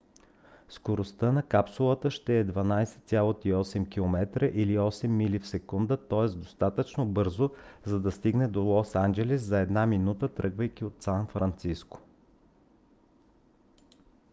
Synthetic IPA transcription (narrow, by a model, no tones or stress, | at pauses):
skoɾost̪ənɐkapsulˠət̪əʃt̪ɛːd̪vɐnajsɛ̥t̪sʲjalˠot̪iɔsɛmkʲilˠomɛt̪ɾəʔiliɔsɛmːilifsɛkund̪ət̪ɔɛsd̪ost̪at̪ət͡ʃnobɤɾzozɐd̪ɐst̪iɡnɛd̪olˠɔsand͡ʒɛlɛszɐɛd̪naminut̪ət̪ɾɤɡvəjkʲiot̪sanfɾɐnt̪sisko̥